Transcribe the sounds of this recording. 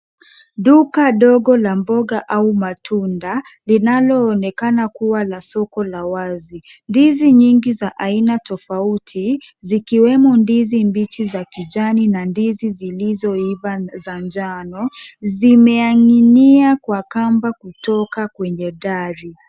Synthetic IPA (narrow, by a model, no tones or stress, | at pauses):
ɗukaɗɔɡɔlambɔɡaʔaumatʰundalinalɔːnɛkanakuwalasɔkɔlawazindiziɲiŋɡizaʔainatɔfautʰi | zikiwɛmɔndizimbit͡ʃizakiʄaninandizizilizɔivazand͡ʒanɔzimɛaŋiniakwakambakutɔkakwɛɲɛɗaɾi